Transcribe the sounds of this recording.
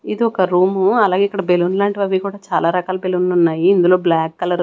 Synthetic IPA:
id̪iɔkɐɾuːmuɐlaːɡeikːɐɽɐbelunlaːɳʈiʋɐʋikuːɽaːt͡ʃaːlaːɾɐkaːlɐbelunlunːaːjiːnd̪ulo̞ːblaːkːɐlɐɾ

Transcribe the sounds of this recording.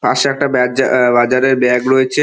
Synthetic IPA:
pa̰ʃɛk̚ʈabɛd͡ʑabad͡ʑaɾeɾbɛɡɾoet͡ɕʰe

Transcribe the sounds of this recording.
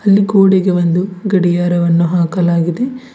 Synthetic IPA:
ɐlːikoːɽiɡeʋɐnd̪uɡɐɽijaːɾɐʋɐnːuɦaːkɐlaːɡid̪e̞

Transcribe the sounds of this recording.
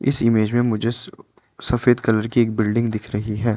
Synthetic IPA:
ɪ̰sɪmeːd͡ʒmẽmʊd͡ʒʱe | sɐfeːd̪kɐləɾkieːk̚bɪlɖɪ̃ŋɡd̪ɪkʰɾɐɦiɦɛː

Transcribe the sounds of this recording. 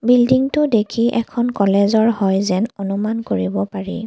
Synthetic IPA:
bildiŋtʊdekʰiʔɛkʰɔnkɔlɛzɔɹhɔjzɛnɔnumankoɹibɔpaɹḭ

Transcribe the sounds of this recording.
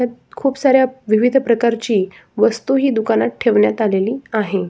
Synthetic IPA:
akʰuːpsaɾjaʋiʋid̪ʱəpɾəkaɾt͡ɕiː | ʋəst̪uɦiːd̪ukanat̪̚ʈʰeʋɳjat̪aleliːaɦe

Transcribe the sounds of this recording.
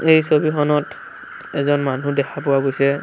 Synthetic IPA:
ejsobixɔnɔt | ɛzɔnmanudɛkʰapʊwaɡojsɛ

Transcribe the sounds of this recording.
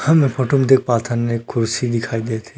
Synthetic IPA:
hɐmepʰɔʈumd̪ek̚pat̪ʰannekʰːʊɾsid̪ikʰajd̪et̪ʰẽ

